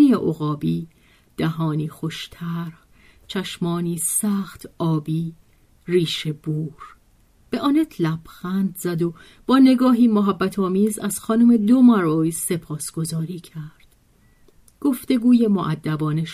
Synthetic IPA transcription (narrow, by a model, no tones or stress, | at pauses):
ieʔoɣɒːbiː | d̪̥æɦɒːniːxo̞ʃt̪ʰæɾh | t͡ʃʰæʃmɒːniːsæxt̪ʰɒːbiː | riːʃebuːɾ | b̥eʔɒːnet̪ʰlæb̥xænd̪zæd̪o | b̥ɒːne̞ɡɒːɦiːmoɦæbːæt̪ʰɒːmiːzæz̥xɒːnuːme̞d̪omæɾoːjse̞pʰɒːsɡ̥o̞zɒːɾiːcʰæɾd̪̥ | ɡ̥o̞ft̪e̞ɡuːje̞moʔæd̪ːæbɒːneʃ